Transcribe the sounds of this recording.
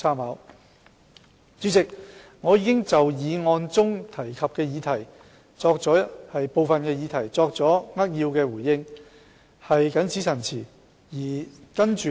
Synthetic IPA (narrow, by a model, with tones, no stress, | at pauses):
aː˥mhaː˨˥w | t͡sy˨˥t͡sɪ˨k̚ŋɔː˨˧jiː˨˧˥kɪ˥ŋt͡sɐ˨wjiː˨˧ŋɔː˧nt͡sʊ˥ŋt̪ʰɐ˨˩jkʰɐ˨p̚kɛː˧jiː˨˧t̪ʰɐ˨˩j | t͡sɔː˧k̚t͡sɔː˨˥hɐ˨jpo˨˧wfɐ˨nkɛː˧jiː˨˧t̪ʰɐ˨˩jt͡sɔː˧k̚t͡sɔː˨˥ŋɐ˥t̚jiː˧wkɛː˧wuː˨˩jːɪ˧ŋ | hɐ˨jkɐ˨˥nt͡si˨˥sʰɐ˨˩nt͡sʰiː˨˩ | jiː˨˩kɐ˥nt͡ʃyː˨